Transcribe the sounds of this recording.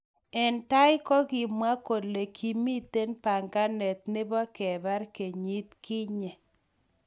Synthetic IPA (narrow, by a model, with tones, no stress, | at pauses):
ɛ˨nta˦jɪ˦kɔ˦ɡɪ˨mwa˦ko˨le˨kʰi˨mi˦t̪e˦npa˨ŋɡa˦nɛ˨t̪̚nɪ˦bɔ˦kɛ˨ba˦ɾke˨ɲi˦t̪̚kɪ˦ɲɛ˨